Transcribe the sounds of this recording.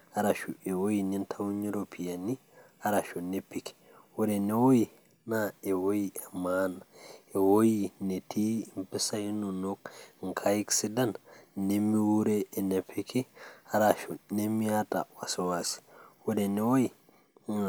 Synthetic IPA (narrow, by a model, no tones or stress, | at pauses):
aɾaʃuɛwojinintʰawuɲiɾopʰijani | aɾaʃunepːiki̥ | wɔdɛnɛwoji | naɛwojiʔɛmanaɛwojinetʰimpɛsajinunɔkŋkʰajiksidannemːiwuɾɛːnɛpʰːikiaɾaʃunemːiata̰wasuwasi̥wɔdɛnɛwoji